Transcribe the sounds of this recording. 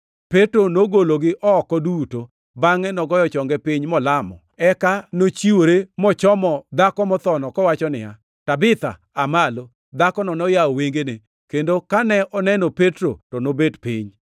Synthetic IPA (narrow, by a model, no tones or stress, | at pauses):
petɾonoɡoloɡɪʔɔːkɔduto | baŋɛnɔɡɔjɔt͡ʃɔŋɡɛpɪɲmɔlamɔ̰ɛkanot͡ʃiwoɾemɔt͡ʃɔmɔd̪akɔmɔt̪ɔnɔkɔwat͡ʃɔnɪ̰ja̰ | tabɪt̪a̰ | amalo | d̪akɔnɔnɔjaɔweŋɡene | kendokanɛʔɔnɛnopetɾo̰tɔnobedpɪ̰ɲ